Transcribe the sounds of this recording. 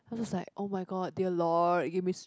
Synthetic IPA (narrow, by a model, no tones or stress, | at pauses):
aɪwd͡ʒɔslaɪkʔoʊmaɪɡɔd̚diəlɔɡevmis